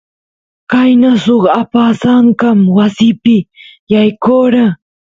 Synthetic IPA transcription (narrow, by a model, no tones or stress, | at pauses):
kajnasoχapasaɴkamwasɪpɪjajkoɾa